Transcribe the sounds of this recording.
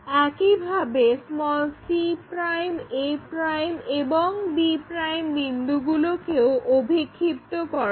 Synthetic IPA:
ɛkibʱabesmɔlsipɾajmepɾajmeboŋbipɾajmbind̪uɡulokeoʔobʱikʰːipt̪okɔɾa

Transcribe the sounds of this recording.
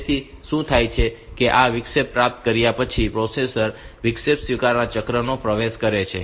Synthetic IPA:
t̪ʰiʃũt̪ʰajt͡ʃʰekeʔaʋɪkʃepɾap̚t̪kəɾjapət͡ʃʰipɾosesəɾʋɪkʃepsʋikaɾnãt͡ʃəkɾənopɾəʋeʃkəɾet͡ʃʰe

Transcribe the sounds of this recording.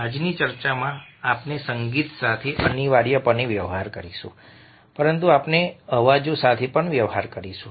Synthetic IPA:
ad͡ʒnit͡ʃəɾt͡ʃamãapnesəŋɡit̪sat̪ʰeʔəniʋaɽjəpəneʋjəʋɦaɾkəɾiʃṵ̃ | pəɾənt̪uapneəʋad͡ʒosat̪ʰepəɳʋjəʋɦaɾkəɾiʃũ

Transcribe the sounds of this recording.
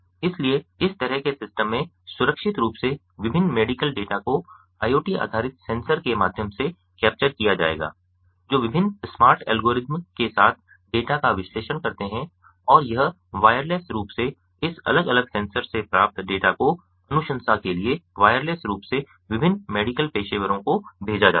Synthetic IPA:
ɪslieɪst̪ɐɾəɦkesɪsʈəmːẽ | sʊɾəkʃɪt̪ɾuːpse | ʋɪbʱɪnːmeːɖɪkəlɖeːʈako | aːjoːʈia̰ːd̪ʱaːɾɪt̪sɛ̃ːnsəɾkemaːd̪ʱjəmse | kɛːp̚t͡ʃəɾkijad͡ʒa̰ːḛːɡa̰ː | d͡ʒoːʋɪbʱɪnːsmaːɾʈɛ̰ːlɡoːɾɪzmkesaːt̪ʰ | ɖeːʈakaʋɪsleːʃənkɐɾt̪eɦɛ̃ | ɔːɾjɐɦ | ʋaːjəɾleːsɾuːpse | ɪsɐ̰ləɡɐləɡsɛ̃ːnsəɾsepɾaːp̚t̪ɖeːʈako | ɐnʊʃə̃nsakelieʋaːjəɾleːsɾuːpse | ʋɪbʱɪnmeːɖɪkəlpeːʃeːʋəɾõkobʱeːd͡ʒad͡ʒa̰ː

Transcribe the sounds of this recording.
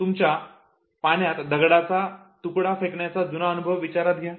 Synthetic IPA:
t̪umt͡ɕja | paɳjat̪d̪əɡɽat͡sa | t̪ukɽafekɳjat͡sad͡zunaənubʱəʋːit͡ɕaɾat̪̚ɡʱja

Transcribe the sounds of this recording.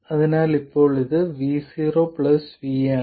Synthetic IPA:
ɐðɐnaːlɪpːoːɭɪðɯʋiːsiːɾoːpɭɐsʋiːa

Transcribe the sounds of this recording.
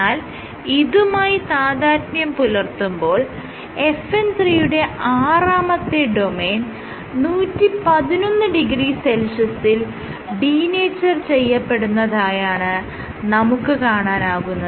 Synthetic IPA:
aːl | iðumaːjit̪aːðaːɾnjɐmpulɐrt̪umbo̞ːɭ | e̞fent̪riːjuɽe̞aːraːmɐt̪ːeɖo̞me̞ːn | nuːtːipɐðino̞nːɨɖiɡriːse̞lʂɐsil | ɖiːneːt͡ɕːɐrt͡ɕe̞jːɐpːe̞ɽunːɐðaːjaːɳɨ | nɐmukːɨkaːɳaːnaːɣunːɐ

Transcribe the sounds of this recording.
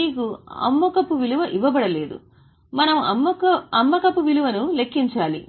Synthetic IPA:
iːkuɐ̰mːɐkɐpːuʋiluʋɐʔiʋɐbɐɽɐle̞ːd̪ṵ | mɐnɐmuɐmːɐɐmːɐkɐpːuʋiluʋɐnule̞kːiɲt͡ʃaːlḭ

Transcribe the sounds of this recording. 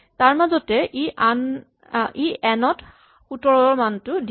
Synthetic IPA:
taɹmazɔtɛʔiʔan | iɛnɔt | xutɔɹɔɹmantʊd

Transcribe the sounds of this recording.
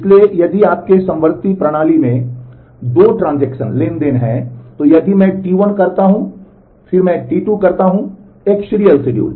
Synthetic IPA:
ɪsliejɐd̪iaːp̚kesɐ̃mʋəɾt̪ipɾɐɽ̃aːlimẽ | d̪oːʈɾãːnd͡ʒɛːkʃə̰nleːnd̪eːnɦɛ̰̃t̪ojɐd̪ʱimɛ̃ʈiːʋənkɐɾt̪aɦũ | fʰɪɾmɛ̃ʈiːʈuːkɐɾt̪aɦũ | eːkʃɪɾijəlsɪɖijṵːl

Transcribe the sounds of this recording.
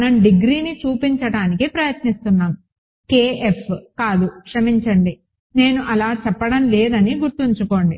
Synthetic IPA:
nɐmɖiɡɾiːnit͡ʃuːpiɲt͡ʃɐɽaːnikipɾɐjɐt̪nist̪unːaːmu | keːʔefʰkaːd̪ukʂɐmiɲt͡ʃɐɳɖi | ne̞ːnuʔɐlaːt͡ʃɛpːɐɽɐmleːd̪ɐniɡuɾt̪uɲt͡ʃuko̞ːɳɖi

